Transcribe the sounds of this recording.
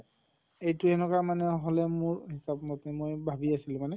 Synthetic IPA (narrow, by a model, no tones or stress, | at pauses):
ejtʊɛnɔkamanɛɦolɛmʊɹhisapmɔtɛmojbʱabiasilʊmanɛ